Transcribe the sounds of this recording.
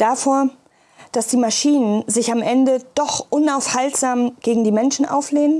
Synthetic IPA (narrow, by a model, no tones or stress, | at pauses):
d̥aːfoːɐ | d̥asd̥iːmaʃiːnənzɪçamʔɛndəd̥ɔχʔʊnaʊfhaltz̥aːmɡ̥eːɡŋ̩diːmɛnʃn̩ʔa̰ʊfleːnən